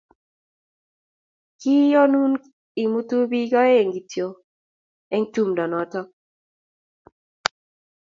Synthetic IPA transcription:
ki˦jɔ˦nu˦n | i˨mu˦t̪u˦bi˦ɡɔ˦e˦˨ŋɡi˨tjo˨ | ɛ˦ŋtu˦mdɔ˨nɔ˨tɔ˦

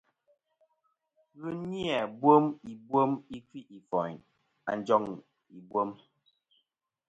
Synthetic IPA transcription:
ɣɨ˦ni˦ɛ˨bwo˦mi˨bwo˦mi˦kwi˦ʔi˨fɔ˨ | a̰˨n˦d͡ʒɔ˦ŋ | i˨bwo˦m

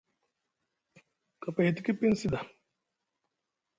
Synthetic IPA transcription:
ka˨pa˨hi˨t̪i˦ki˦pi˦nsi˦d̪a˨

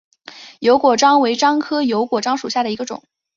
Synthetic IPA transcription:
jo˧˥ʊkwɔ˨˩ʈ͡ʂɑ˥ŋwe˧˥ɪʈ͡ʂɑ˥ŋkʰɤ˥jo˧˥ʊkwɔ˨˩ʈ͡ʂɑ˥ŋʂu˨˩ɕja˥˩d̪ə˩i˧˥ɡə˧ʈ͡ʂʊ̰˨˩˦ŋ

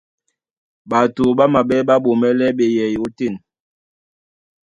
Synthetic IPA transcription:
ɓa˨to˨ɓa˦ma˨ɓɛ˦ɓa˦ɓo˨mɛ˦lɛ˦ɓe˨jɛ˨jo˨˦te˦˨n

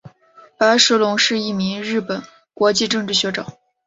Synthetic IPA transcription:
pa˧˥ɪʂ̩˧˥lʊ˧˥ŋʂɻ̩˥˧i˥˩mi˧˥ŋɻɻ̩˥˩pə˨˩˦n | kwɔ˧˥t͡ɕi˥˧ʈ͡ʂɤ˥˧ŋʈ͡ʂɻ̩˥˩ɕɥɛ˧˥ʈ͡ʂɤ̰˨˩˦

